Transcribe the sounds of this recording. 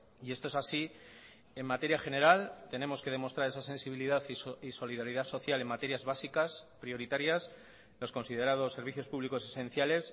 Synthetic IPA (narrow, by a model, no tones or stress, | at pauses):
ie̞st̪oesasi | e̞mmat̪e̞ɾjaxe̞ne̞ɾalt̪e̞ne̞mo̞ske̞ð̞e̞mo̞st̪ɾaɾe̞sase̞nsiβ̞iliðaθiiso̞lið̞aɾiðaso̞θjale̞mat̪e̞ɾjazβasikaspɾio̞ɾit̪aɾjas | lo̞sko̞nsið̞e̞ɾað̞o̞sːe̞ɾβ̞iθjo̞spuβliko̞se̞sẽ̞n̟θjale̞s